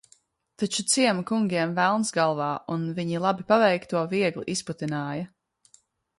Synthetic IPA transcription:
t̪at͡ʃut̪siɛmukuŋɡʲiɛmvælˠnsɡalˠvaːunviɲilˠabipavɛjkt̪uɔviɛɡlˠiʔisput̪inaːjɐ

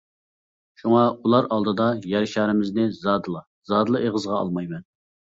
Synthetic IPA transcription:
ʃuŋɑulˠɑɾɑlˠd̪ɨd̪ɑjæɾʃɑːɾɪmɪznɪzɑd̪ɨlˠɑ | zɑːd̪lˠɨʔeʁəzʁɑɑ̰lˠmɑjmɛn

